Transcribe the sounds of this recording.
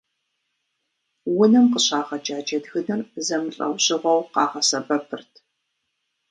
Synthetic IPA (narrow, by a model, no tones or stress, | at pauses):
wʊnɨmqəɕaːʁɐd͡ʒaːd͡ʒɐdɣɨnɨrzɐmɨɬʼɐ̰wɕʼɪʁʷɔwqɑːʁɐsɐbɐpʰɨrtʰ